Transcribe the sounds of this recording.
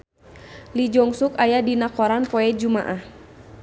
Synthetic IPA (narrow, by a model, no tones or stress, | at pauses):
lid͡ʒɔŋsukajadinakɔɾanpɔɛd͡ʒumaʔah